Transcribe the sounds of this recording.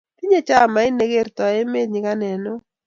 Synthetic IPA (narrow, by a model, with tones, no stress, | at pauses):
ti˦ɲe˦t͡ʃa˦˨ma˨˦ɪ˦ne˨˦ɡe˦˨ɾt̪ɔ˨e˦me˦dɲɪ˨ka˦nɛ˨nɔ˦